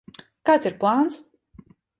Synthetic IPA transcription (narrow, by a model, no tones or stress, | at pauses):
kaːt̪siɾplˠaːns